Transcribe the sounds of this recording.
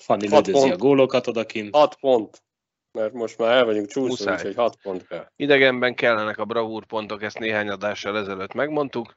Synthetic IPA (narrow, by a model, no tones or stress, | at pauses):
fɒnːilɒoɡoːlokɒt̪od̪ɒkimhɒt̪po̞nt̪ | mɛrmo̞ʃt̪maːɾɛlvɒɟuŋkt͡ʃuːusa̰ːjɛchɒt̪pont̪kɛlid̪ɛɡɛmbɛŋkɛlːɛnɛkɒbrɒvuːrpo̞nt̪o̞kɛst̪neːɦaːɲɒd̪aːʃːɒlɛzɛløːt̪mɛɡmo̞nt̪uk